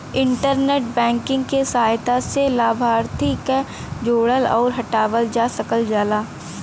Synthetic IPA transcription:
ɪ̃ɳʈəɾneːʈbɛ̃ːŋkɪ̃ŋɡkesɐɦaːjt̪aselaːbʱaːɾt̪ʰike | d͡ʒoːɽəlɔːɾɦɐʈaːʋəld͡ʒaːsəkəld͡ʒaːlaː

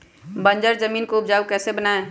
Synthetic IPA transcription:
bə̃nd͡ʒəɾd͡ʒəmiːnkoʊp̚d͡ʒaːukɛːsebənae

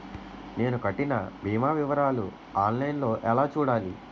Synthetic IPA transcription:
ne̞ːnukɐʈːinɐ̰bʱiːmaːʋiʋɐɾaːlṵ | aːnlɐjnlo̞ːʔɛlaːt͡ʃuːɽaːlḭ

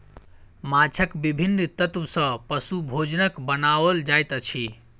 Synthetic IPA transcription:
mat͡ʃʰəkbibʱinːt̪ət̪wsə̃pəsubʱod͡ʒnəkbənaʋəld͡ʒajt̪ət͡ʃʰi

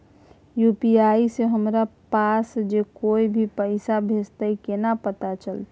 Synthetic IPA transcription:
jupiaiseɦəmɾapasd͡ʒekoibʱipəɪsabʱest̪aikenapət̪at͡ʃəlt̪

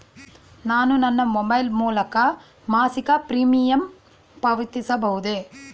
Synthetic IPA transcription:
naːnunɐnːɐmobɐjlmuːlɐkɐ | maːsikɐpɾiːmijɐm | pɐʋit̪isɐbɐɦud̪e

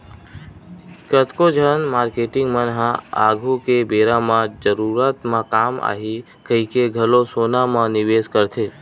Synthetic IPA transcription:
kət̪kod͡ʒʱənmaɾkeʈɪŋɡmənɦãaɡʱukebeɾamãd͡ʒəɾuɾat̪mãkama̰ɦi | kəikeɡʱəlosonamãnɪʋeskəɾt̪ʰe

